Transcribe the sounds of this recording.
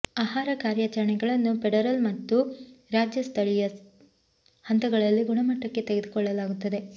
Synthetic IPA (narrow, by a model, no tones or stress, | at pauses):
aːɦaːɾɐkaːɾjat͡ʃɐɾɐɳɛɡɐɭɐnːupeɽɐɾɐlmɐt̪ːuɾaːd͡ʒjɐst̪ʰɐɭijɐ | hɐnt̪ɐɡɐɭɐlːiɡuɳɐmɐʈːɐkːe̞t̪eɡed̪ukɔɭːɐlaːɡut̪ːɐd̪e̞